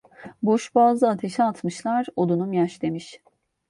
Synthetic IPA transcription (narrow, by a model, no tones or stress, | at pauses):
boʃbaːzˠɯat̪ʰe̞ʃɛat̪mɯʃlˠaɾod̪unumjaʃd̪e̞miʃ